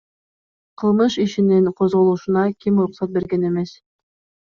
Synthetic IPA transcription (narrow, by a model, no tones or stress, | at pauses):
qʰɤ̆lˠmɤʃiʃĭnɘŋqozʁŏlˠuʃɤ̆nɑkimɾʊqsɑt̪̚beɾɡænemes